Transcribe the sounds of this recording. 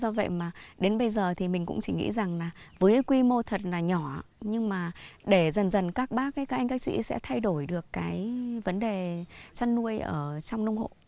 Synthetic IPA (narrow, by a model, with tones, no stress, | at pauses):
zɔ˧və̰˧˨jmaː˨˩ɗe˨˦nɓə˧jzəː˨˩t̪ʰi˨˩mï˨˩ŋ̟kʊ̰˧˥ŋ͡mt͡ɕi˧˩ŋḭ˧˥za˨˩ŋlaː˨˩vəː˨˦jkwi˧mo˧t̪ʰə˨˩t̚laː˨˩ɲɔ˧˩˨ɲɨ˧ŋmaː˨˩ɗe˧˩zə˨˩nzə˨˩nkaː˦˥k̚ɓaː˦˥k̚ːaː˨˦jkaː˨˦ʔa˧ŋka˦˥k̚sḭ˧˥sɛ̰˧˥t̪ʰa˧jɗo˧˩jɗɨ˨˩əkːaː˨˦jvə˨˦nɗe˨˩t͡ɕa˧nːu˧əjʔəː˧˩t͡ɕɔ˧wŋ͡mnə˧wŋ͡mho̰˧˨ʔ